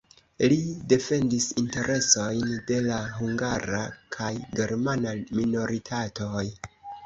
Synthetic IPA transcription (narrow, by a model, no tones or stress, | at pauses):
lide̞fe̞ndisinte̞ɾʔe̞so̞jnde̞laɦuŋɡaɾakʰajɡe̞ɾmanamino̞ɾitʰatoj